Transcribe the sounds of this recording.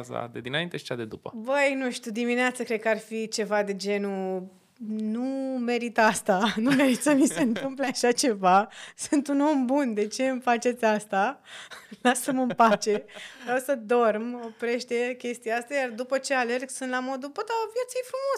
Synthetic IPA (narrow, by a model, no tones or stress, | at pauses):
za̰d̪ed̪inaint̪eʃi̥t͡ʃad̪ed̪upə̰bəjnuʃt̪ʲud̪imineat̪səkɾed̪̚kəarfit͡ʃe̞vad̪e̞d͡ʒe̞nu | nume̞ɾit̪əast̪anumeɾit̪ʲsəmise̞nt̪ɨmpleaʃat͡ʃe̞vasunt̪uno̞mbund̪e̞t͡ʃe̞ɨmfat͡ʃe̞t̪sʲast̪a | lasəmɨmpat͡ʃe̞ɾawsəd̪o̞rmopɾe̞ʃt̪ekʲe̞st̪ijaast̪ajard̪upət͡ʃe̞ale̞rɡsunt̪lamo̞d̪upəd̪aovje̞t̪sijefɾumo̞